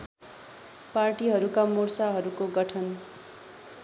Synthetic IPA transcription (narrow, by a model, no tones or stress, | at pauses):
parʈiɦʌɾukamursaɦʌɾukoɡʌʈʰʌn